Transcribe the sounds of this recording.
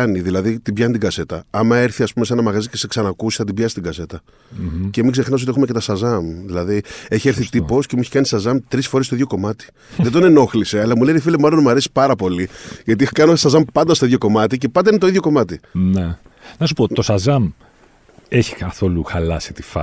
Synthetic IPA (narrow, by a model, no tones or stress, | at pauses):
ɐniðilɐðit̪ibʝɐnit̪iɡɐse̞t̪ɐɐmɐe̞ɾθiɐspume̞se̞nɐmɐɣɐzice̞se̞ksɐnɐkusi̥θɐt̪ibʝɐsist̪iɡɐse̞t̪ɐ | ce̞miɡze̞xnɐs̬ot̪e̞xumece̞t̪ɐsɐzɐmðilɐðie̞çieɾθit̪ipo̞scemueçi̥kɐnisɐzɐmt̪ɾisfo̞ɾest̪oiðʝoko̞mɐt̪i̥ | ðed̪one̞no̞xliseɐlɐmulenifilemɐlo̞nmuɐɾesi̥pɐɾɐpo̞liʝɐt̪̬ixkɐnosɐzɐmpɐnd̪ɐst̪oiðʝo̞ko̞mɐt̪ice̞pɐnd̪ɐinet̪o̞iðʝo̞ko̞mɐt̪ine | nɐs̬upot̪o̞sɐzɐm | eçi̥kɐθo̞luxɐlɐsi̥t̪i̥fɐ̰